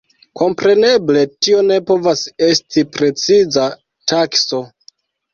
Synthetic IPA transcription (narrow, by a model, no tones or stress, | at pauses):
ko̞mpɾe̞ne̞ble̞tio̞ne̞po̞vase̞stipɾe̞t͡siza | takso̞